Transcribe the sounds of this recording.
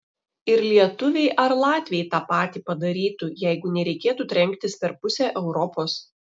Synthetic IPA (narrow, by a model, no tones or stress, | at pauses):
ɪɾlʲiɛt̪ʊʋʲɛɪʔɐɾlˠɑːt̪ʲʋʲiɛɪt̪ɑːpɑːt̪ʲiːpɐd̪ɐɾʲiːt̪ujɛɪɡʊnʲɛɾʲɛɪkʲeːt̪uːt̪ʲɾʲɛŋʲkt̪ʲɪspʲɛɾpʊsʲɛːʔɛʊɾɔpoːs